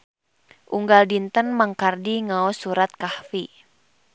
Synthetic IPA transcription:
ʔuŋɡaldint̪ənmaŋkardiŋaɔsuɾat̪̚kahfi

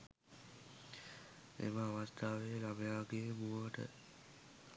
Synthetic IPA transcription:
ḛməaʋast̪ʰaːʋeːlamejaːɡemuəʈə̰

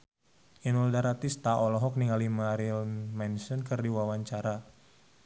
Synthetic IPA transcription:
ʔinuldaɾat̪ist̪aʔɔlɔɦɔk̚niŋalimaɾilmɛnsɔnkɨrdiwawaɲt͡ʃaɾa

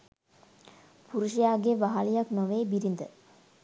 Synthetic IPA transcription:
puɾuʃijaːɡeʋaɦalijaknoʋeːbiɾind̪ə

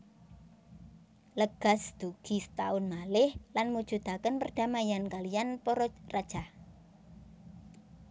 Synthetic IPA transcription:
ləɡ̥a̤sd̪̥uɡ̥isə̥t̪aʊnmalɪhlanmud̥ʒ̥ṳd̪̥akənpərd̪̥a̤majankalijanpɔɾɔrad̥ʒ̥ah

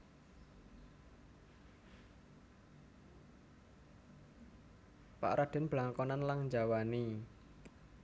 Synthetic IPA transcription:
pa̰ʔɾad̪̥ɪ̤nb̥laŋkɔnanlaŋɲd͡ʒawani

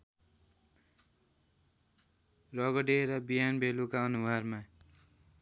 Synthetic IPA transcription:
rʌɡʌɖeɾʌbiɦanbʱelukaʌnubʱʌrma

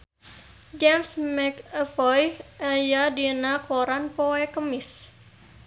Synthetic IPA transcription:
d͡ʒɛmsmɛkəfɔjʔajadinakʰoɾanpoɛkəmɪs

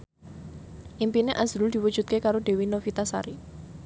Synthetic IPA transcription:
ʔimpineʔazɾʊld̪̥i̤wud̥d͡ʒ̥ṳt̪̚kekaɾoɖe̤winofit̪asa̰ɾi

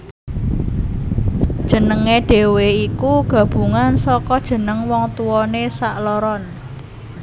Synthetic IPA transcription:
d̥ʒ̥ə̤nəŋeɖ̥e̤weikuɡ̥ä̤b̥ṳŋansɔkɔd̥ʒ̥ə̤nəŋwɔŋt̪uwɔnesaʔlɔɾɔn

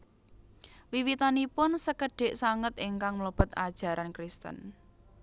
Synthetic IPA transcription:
wiwit̪anipʊnsəkəɖ̥e̤ʔsaŋət̪iŋkaŋmləb̥ə̤t̪̚a̰d̥ʒ̥a̤ɾʔankɾist̪ə̰n

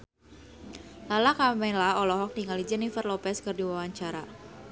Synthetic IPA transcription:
lalakamɛlaɔlɔɦɔk̚diŋalid͡ʒɛnifərlɔpɛskɨrdiwawaɲt͡ʃaɾa

